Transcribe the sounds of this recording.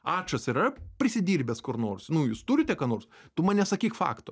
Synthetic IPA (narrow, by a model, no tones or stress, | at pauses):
ɑːt͡ʃɐsɪɾɐpʲɾʲɪsʲɪd̪ʲiːrʲbʲɛːskʊrnoːrsnʊjuːst̪uɾʲɪt̪ʲɛkɑːnoːrst̪ʊmɐːnʲɛsɐkʲiːkfɑ̰ːkt̪o